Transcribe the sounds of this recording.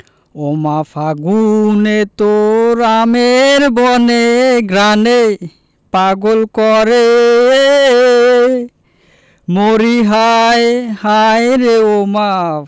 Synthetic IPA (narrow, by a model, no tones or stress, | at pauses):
ɔmafaɡunet̪oɾameɾbɔneɡɾane | paɡɔlkɔɾe | moɾiɦajhajɾeoma